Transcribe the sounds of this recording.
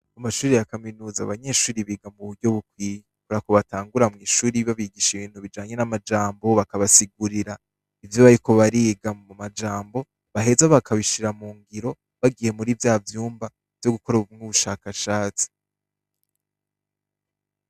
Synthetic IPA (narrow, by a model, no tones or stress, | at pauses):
amaʃuːɾijakaminuːza̰βaɲe̞ʃuːɾiβiːɡamuβuɾɟoβukwi | kuɾakoβataːŋɡuɾamŋiːʃuːɾiβaβiɡiʃiβiːn̥huβid͡ʒaːɲe̞namad͡ʒaːmbo̞βakaβasiɡuɾiɾa | ivjoβaɾiko̞βaɾiːɡaumad͡ʒaːmbo̞ | βaɦe̞zaβakʰaβiʃiɾamuːŋɡiɾo̞ | βaɡiːje̞muɾivjaːvjuːmba | v̥jo̞ɡuko̞ɾaumŋuβuʃakaʃaːt͡si̥